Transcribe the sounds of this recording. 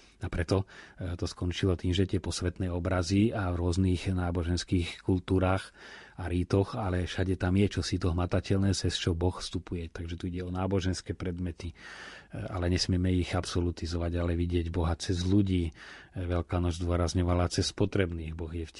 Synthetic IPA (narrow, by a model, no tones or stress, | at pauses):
apɾɛt̪ɔt̪ɔskɔnt͡ʃilɔt̪iːmʒɛt̪ɪɛpɔsʋɛt̪nɛɔbɾaziavɾʊɔzniːxnaːbɔʒɛnskiːxkult̪uːɾaːxaɾiːt̪ɔxalɛʃaɟɛt̪amjɛt͡ʃɔsit̪ɔɦmat̪acɛlnɛːsɛst͡ʃɔbɔxfst̪upujɛt̪aɡʒɛt̪uiɟɛɔnaːbɔʒɛnskɛːpɾɛd̪mɛt̪i | a̰lɛɲɛsmɪɛmɛiɣapsɔlut̪izɔʋaɟalɛʋiɟɪɛɟbɔɦat͡sɛzluɟiːʋɛʎkaːnɔd͡ʒzd̪ʊɔɾazɲɔʋalat͡sɛspɔt̪ɾɛbniːɣbɔɣjɛf